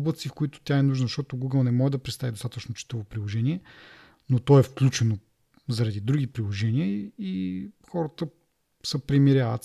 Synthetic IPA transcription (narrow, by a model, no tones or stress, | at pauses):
bət̪sifkoit̪ʊ̥t̪ʲjaɛnuʒnzɐʃt̪ɔt̪oɡuɡəlˠnɛmɔʒɛd̪ɐpɾɛt̪st̪avid̪ost̪at̪ət͡ʃnot͡ʃi̥t̪əvopɾilˠoʒɛniɛ | not̪ɔɛfklʲut͡ʃɛno | zɐɾɐd̪id̪ɾuɡipɾilˠoʒɛniəixɔɾət̪ə | səpɾɛmiɾʲjavə̰t̪s